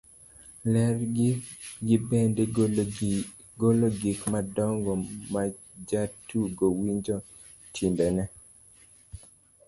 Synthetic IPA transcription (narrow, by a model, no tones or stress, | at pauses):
lɛr | ɡibende | ɡoloɡikmadɔŋɡɔma | d͡ʒatuɡowiɲd͡ʒɔ | tʰinbɛnɛ